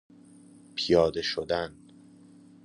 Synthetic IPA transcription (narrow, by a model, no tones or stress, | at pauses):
pʰijɒːd̪e̞ʃod̪æn